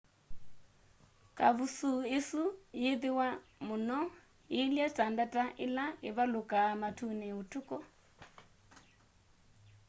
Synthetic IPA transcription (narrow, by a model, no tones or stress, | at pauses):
kʼaβusuisujid̪iwamunɔ | ɦiljatʼandatʼaʔilaɦiβalukʼamatʰunɛutʰukʼɔ